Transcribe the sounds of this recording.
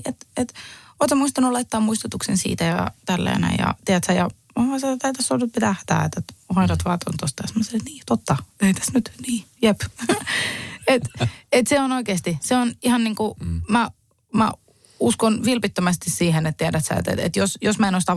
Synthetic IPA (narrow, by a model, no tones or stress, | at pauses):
et̪et̪oˑːt̪ːɑmuist̪ɑnulɑit̪ːɑːmmuist̪ut̪uksensḭːt̪æjɑt̪ælːæ̰ːnæ̰jɑ̰t̪iæt̪sæjɑ̰ | oɑset̪æit̪æsːonyt̪̚pit̪æht̪æ̰ːet̪et̪hɑiɾɑt̪ʋɑːt̪o̰nt̪ost̪ɑjɑsemːoset̪niːt̪ot̪ːɑt̪eit̪æ̥snyt̪niːjep | et̪et̪seonoikeːst̪iseonihɑnniːŋkumæ | mæ̰ | uskonʋilpit̪ːømæst̪issiːhenet̪t̪iædæt̪sæ̰ḛt̪ḛt̪ḛt̪josjosmæenost̪ɑ